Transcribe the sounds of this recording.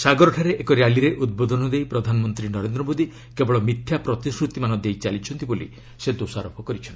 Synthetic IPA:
saɡɔɾɔʈʰaɾeʔekɔɾjaliɾeʔud̪̚bod̪ʱɔnɔd̪ejpɾɔd̪ʱanɔmɔnt̪ɾinɔɾend̪ɾɔmod̪i | kebɔɭɔmit̪ʰːjapɾɔt̪isɾut̪imanɔd̪ejt͡ʃalit͡ʃʰɔnt̪ibolḭ | sed̪osaɾɔpʰɔkɔɾit͡ʃʰɔn

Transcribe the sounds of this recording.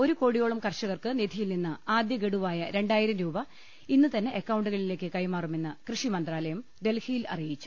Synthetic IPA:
oɾuko̞ːɽijo̞ːɭɐmkɐrʂɐɣɐrkɨnid̪ʱijilninːɨaːd̪jɐɡeɽuʋaːjɐɾe̞ɳɖaːjiɾɐmɾuːbɐ | inːɨt̪ɐnːe̞ʔekːɐwɳɖuɣɐɭile̞ːkːɨkɐjmaːrume̞nːɨkrɨʂimɐnd̪raːlɐjɐmd̪e̞lhʰijilɐ̰rijit͡ɕːu̥

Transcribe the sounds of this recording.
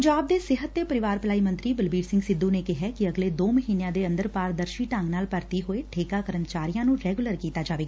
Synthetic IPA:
pəɲd͡ʒaːb̚d̪eːsɪɦət̪ːeːpəɾɪʋaːɾpəlaːiːmənt̪ɾiːbəlbiːɾsɪ̃ŋɡsɪd̪ːuːneːkɪɦɛːkɪəɡleːd̪oːməɦiːnejãːd̪eːə̃nd̪əɾpaːɾd̪əɾʃiːʈãːŋɡnaːlpəɾt̪iːɦoːeːʈʰeːkaːkəɾənt͡ʃaːɾijãːnũːɾɛːɡʊləɾkiːt̪aːd͡ʒaːʋeːɡaː

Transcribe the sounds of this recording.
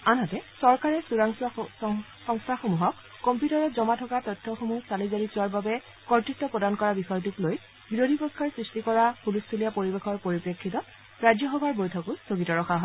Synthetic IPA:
anɦatɛsɔɹkaɹɛsuɹaŋs | sɔŋstʰaxomuɦɔkːɔmpjutɔɹɔtzɔmatʰɔkatɔtʰːɔxomusalizaɹisuwaɹbabɛ | kɔɹtistːɔpɹɔdankɔɹabixɔjɔt̬ukloj | biɹodʱipɹɔkʰːaɹsɹistikɔɹapulustʰulijapoɹibexɔɹpoɹipɹekʰːitɔ | ɹajd͡ʒjɔxɔbʱaɹbojtʰɔkʊstʰoɡitɔɹɔxʰaɦɔ

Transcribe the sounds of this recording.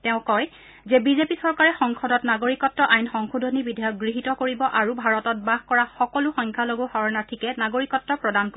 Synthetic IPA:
tɛʊ̃kɔj | zɛbizepisɔɹkaɹɛxɔŋxʰɔdɔtnaɡoɹikɔtːɹɔʔajnxɔŋxudʱɔnibidʱajɔk̚ɡɹiɦitɔkoɹibɔʔaɹubʱaɹɔtɔt̚baxkɔɹaxɔkɔluxɔŋkʰaloɡohɔɹɔnatʰikɛnaɡoɹikɔtːɹɔpɹɔdanko

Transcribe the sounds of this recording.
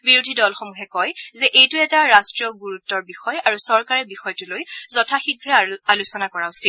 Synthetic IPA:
biɹudʱidɔlxɔmuɦɛkɔjzɛʔejtʊɛtaɹastɹijɔɡuɹutːɔɹbixɔjaɹusɔɹkaɹɛbixɔjtʊlojzɔtʰaxiɡɹɛalusɔnakɔɹaʊsil

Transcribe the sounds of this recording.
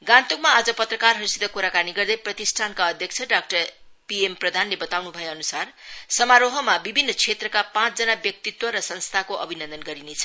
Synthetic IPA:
ɡãnt̪ukmaːd͡zʌpʌt̪rʌkarɦʌɾusit̪ʌkuɾakaniɡʌrd̪ʌjprʌt̪isʈʰankaʌd̪ʱjʌk̚t͡sʰʌɖak̚ʈʌr | piemprʌd̪ʱanlebʌt̪awnubʱʌjeʌnusarsʌmaɾoɦʌmabibʱinːʌt͡sʰet̪rʌkapãt͡sd͡zʌnabjʌk̚t̪it̪wʌɾʌsʌnst̪ʰakoʔʌ̰bʱinʌnd̪ʌnɡʌɾinet͡sʰʌ

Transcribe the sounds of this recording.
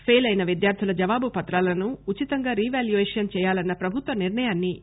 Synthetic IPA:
pʰeːlɐjnɐʋid̪jaːɾt̪ʰilɐd͡ʒɐʋaːbupɐt̪ɾaːlɐnuut͡ʃit̪ɐŋɡaːɾiːʋaːljuʋeːʂɐnt͡ʃɛːjaːlɐnːɐpɾɐbʱut̪ʋɐniɾɳɐjaːnːi

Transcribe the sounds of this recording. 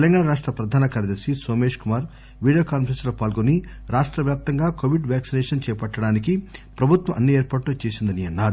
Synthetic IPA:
t̪elɐŋɡaːɳɐɾaːʂʈɾɐpɾɐd̪ʱaːnɐkaːɾjɐd̪ɐɾsisoːme̞ːʂkumaːɾ | ʋiːɽijoːkaːnpʰɐɾensloːpaːlɡoni | ɾaːʂʈɾɐʋjaːp̚t̪ɐŋɡaːkoːʋiɖʋjaːksinɛːʂɐnt͡ʃɛːjpɐʈːɐɽaːnik̬ipɾɐbʱut̪ʋɐɐnːieːɾpaːʈloːt͡ʃeːsind̪ɐniɐnːaːɾu

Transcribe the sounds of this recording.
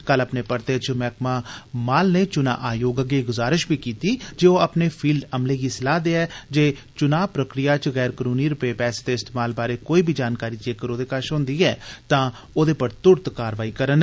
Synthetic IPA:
kələpneːpəɾt̪eːt͡ʃmɛːkmaːmaːlneːt͡ʃʊna̰ːʔaːjoːɡəɡeːɡʊzaːɾɪʃbʱiːkiːt̪iːd͡ʒeːoːəpneːpʰiːlɖəmleːɡiːsɪlaːd̪eːɛːd͡ʒeːt͡ʃʊnaːpɾəkɾɪjaːt͡ʃɣɛːɾkəɾuːniːɾʊpeːpɛːseːt̪eːɪst̪eːmaːlbaːɾeːkoːiːbʱiːd͡ʒaːnkaːɾiːt͡ʃeːkəɾoːd̪eːkaːʃɦõːnd̪iːɛːt̪ãː | oːd̪eːpəɾt̪ʊɾt̪kaːɾʋaːiːkəɾən

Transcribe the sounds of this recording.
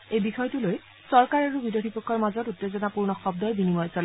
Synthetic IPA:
ejbixɔjtuloj | sɔɹkaɹaɹubidjodʰʱipɔkʰːɔɹmazɔtutːezɔnapuɹnɔxɔb̚d̪ɔɹbinimɔjsɔl

